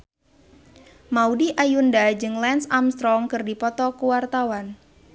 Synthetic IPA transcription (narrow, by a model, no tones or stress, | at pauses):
maudiʔajundad͡ʒɨŋlɛnsamst̪ɾɔŋkɨrdipɔt̪ɔkuwart̪awan